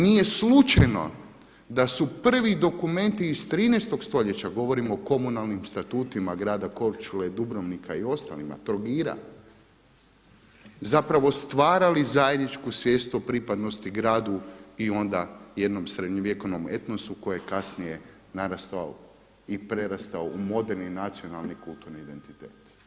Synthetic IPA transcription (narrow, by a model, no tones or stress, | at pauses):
nije̞slut͡ʃajno̞̰ | d̪asupr̩ʋid̪o̞kume̞nt̪iːst̪ɾiːnejst̪o̞ɡst̪o̞ʎe̞t͡ɕaɡo̞ʋo̞ɾimoːko̞munalˠnimst̪at̪uːt̪imaɡɾaːd̪ako̞ɾt͡ʃuled̪ubɾoʋnikʰaio̞st̪a̰lima̰t̪ɾoɡiːɾa̰ | zapɾaʋo̞st̪ʋaːɾalizaje̞d̪nit͡ʃkusʋjeːst̪uopɾipad̪no̞st̪iɡɾaːd̪uio̞nd̪aje̞d̪no̞msɾed̪ɲoʋjeko̞ʋnome̞̰t̪nosuko̞jejekasnije | naɾast̪oa̰o | ipɾeɾast̪aoumo̞d̪eɾninat̪sio̞nalˠnikulˠt̪uɾniːd̪e̞nt̪it̪eːt̪